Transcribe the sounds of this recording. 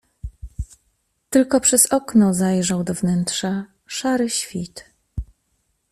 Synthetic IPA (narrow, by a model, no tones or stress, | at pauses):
t̪ɘlkɔpʂɛz̥ɔknɔzajʐawd̪ɔvnɛnt̪ʂa | ʂaɾɘɕfʲit̪